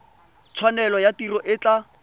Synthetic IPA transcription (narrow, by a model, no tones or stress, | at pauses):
t͡sʰwanɛlɔjatirɔʔɪt͡ɬa